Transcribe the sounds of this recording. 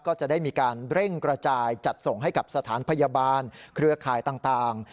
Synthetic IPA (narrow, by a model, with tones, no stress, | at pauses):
kɔː˥˩t͡ɕa˨˩da˥˩jmiː˧kaː˧nɾe˥˩ŋkɾa˧t͡ɕaː˧jt͡ɕa˨˩t̪̚so˨˩ŋɦa˥˩jka˨˩p̚sa˧t̪ʰaː˩˦npʰa˧ja˧baː˧nkʰɾɯ˧ɐkʰaː˨˩jt̪aː˨˩ŋt̪aː˨˩ŋ